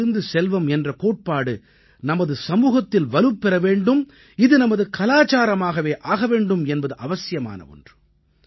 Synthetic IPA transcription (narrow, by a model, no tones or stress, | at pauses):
ɯnd̪ɯsɛlʋɐmɛndrɐkoːʈ̚paːɽɯ | nɐmɐðɯsɐmuːɣɐt̪ːɪlʋɐlɯpːɛɾɐʋeːɳɖɯm | ɪðɯnɐmɐðɯkɐlaːt͡ʃaːɾɐmaːɣɐʋeːʔaːɣɐʋeːɳɖɯmɛnbɐðɯʔɐʋɐsɪjɐma̰ːnɐ̰ɔ̰ndrɯ